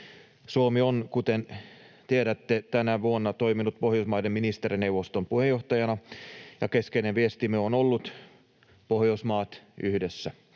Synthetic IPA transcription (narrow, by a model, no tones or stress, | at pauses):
suomionkut̪en | t̪ieɾæt̪ːet̪ænæʋuonːɑt̪oiminut̪̚pohjousmɑjdemminist̪eɾineuʋost̪ompuhejoht̪ɑjɑnɑjɑkeskeineʋiest̪imyøonolːut̪ | pohjousmɑːt̪yhdesːæ